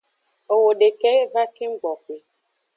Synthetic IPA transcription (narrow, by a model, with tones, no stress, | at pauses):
o˨wo˨ɖe˨kɛ˦va˦ke˦ŋ͡m̩˦ɡ͡bɔ˨k͡pe˨